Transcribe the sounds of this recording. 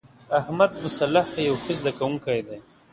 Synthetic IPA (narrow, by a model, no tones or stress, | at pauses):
ahmad̪mʊsalːahjawxəzd̪akawuŋkajd̪a